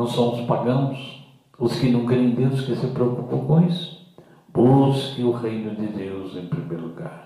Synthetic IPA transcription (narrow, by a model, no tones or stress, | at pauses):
nɐ̃w̃sɐ̃w̃ʊspaɡɐ̃w̃ʊs | ʊskɪnɐ̃w̃kɛẽj̃d̪ẽd̪ʊskɪsɪpɾeokupɐ̃w̃kõisʊ̥ | b̥uskɪ̃ʊʁejnʊd̪ɪd̪ewzẽj̃pɾimejɾʊluɡa̰ɾ